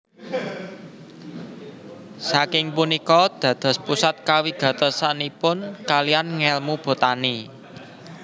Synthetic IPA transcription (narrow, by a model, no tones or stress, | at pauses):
sakɪŋpunikɔd̪̥ä̤d̪̥ɔ̤spusat̪̚kawiɡ̥a̤t̪əsanipʊnkalijanŋɛlmub̥o̤t̪ani